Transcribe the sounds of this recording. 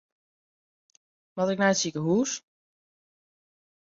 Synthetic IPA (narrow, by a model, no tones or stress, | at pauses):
mɔtɪknɛjtsikəɦuːs